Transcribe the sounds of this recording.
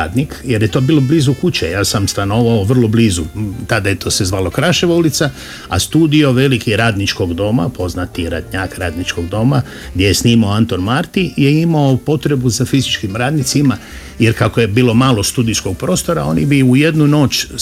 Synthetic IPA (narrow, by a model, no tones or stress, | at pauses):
aːd̪nikje̞ɾjet̪o̞ːbiːlobliːzukut͡ɕejaːsamst̪ano̞ʋaoʋr̩lˠo̞blizut̪ad̪ajet̪o̞ːse̞zʋaːlokɾaʃeʋaulit̪sa | a̰st̪uːd̪io̞ʋe̞likiɾaːd̪nit͡ʃko̞ɡd̪o̞ma̰po̞znat̪iɾa̰d̪ɲaːkɾaːd̪nit͡ʃko̞ɡd̪o̞ma | ɡd̪jejesniːmaoant̪o̞nmaɾt̪ijeimaopo̞t̪ɾe̞buzafizit͡ʃkimɾaːd̪nit̪sima | jeɾkakoje̞biːlo̞maːlost̪uːd̪isko̞ɡ̚pɾo̞ːst̪o̞ɾa̰o̞̰nibiuje̞d̪nuno̞ːt͡ʃ